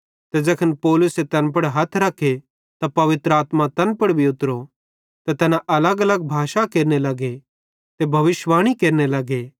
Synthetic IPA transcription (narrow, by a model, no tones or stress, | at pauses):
t̪ed͡ʒɐkʰənpɔːlʊset̪ɐnpɐɽɦɐt̪ʰɾɐkʰːe | t̪apɐʋɪt̪ɾəaːt̪mãt̪ɐnpɐɽbʱiʊt̪ɾo | t̪ɐt̪ɐːnãʔɐləɡɐləɡ̚bʱaːʃakeːɾnelɐɡe | t̪ebʱɐʋɪʃʋaːɽ̃ikeːɾnelɐɡe